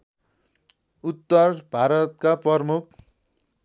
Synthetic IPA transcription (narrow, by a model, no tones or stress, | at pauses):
ut̪ːʌrbʱaɾʌt̪̚kaprʌrmuk̚ʰ